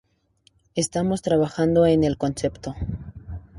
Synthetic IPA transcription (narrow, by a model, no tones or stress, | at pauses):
e̞st̪amo̞st̪ɾaβaxand̪o̞ene̞lko̞nse̞pt̪o̞